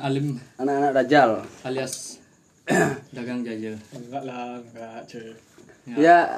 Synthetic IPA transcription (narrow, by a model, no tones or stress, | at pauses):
alimanaʔanaʔ̚dad͡ʒalalias | daɡaŋd͡ʒad͡ʒəɡaʔlamɡaʔt͡ʃə | ja